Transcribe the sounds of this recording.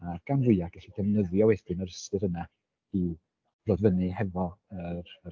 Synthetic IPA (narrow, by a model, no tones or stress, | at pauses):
arɡ̥anvʊɨaɡ̥ɛɬidʰɛvnəðjɔweθd̥ɨnəɾəstɨɾəna | iw̥ | rodvənɨɦɛvɔəɾə